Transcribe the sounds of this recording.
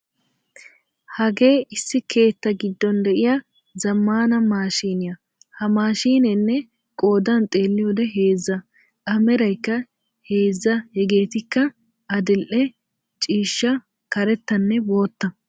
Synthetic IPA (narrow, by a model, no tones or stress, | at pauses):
hɐɡe̞ːɪsːɪkʰe̞ːt̪ːɐɡɪd̪ːɔnd̪ɛʔɪjɐ | zɐmːaːnɐmaːʃiːnɪjɐ | hɐmaːʃiːnɛnːɛ | kʼo̞ːd̪ɐnt̪ʼe̞ːlːɪjoːd̪ɛɦe̞ːzːɐ | ʔɐmɛɾɐjkːɐ | he̞ːzːɐhɛɡe̞ːt̪ɪkːɐ | ɐd̪ɪlʔɛ | t͡ʃʼiːʃːɐ | kɐɾɛt̪ːɐnːɛbo̞ːt̪ːɐ